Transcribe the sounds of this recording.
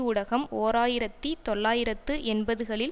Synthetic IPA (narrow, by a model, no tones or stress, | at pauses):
ʊɽɐɣɐmoːɾaːjɪɾɐt̪ːit̪ɔɭːaːjɪɾɐt̪ːɯʔɛnbɐðɯɣɐɭɪl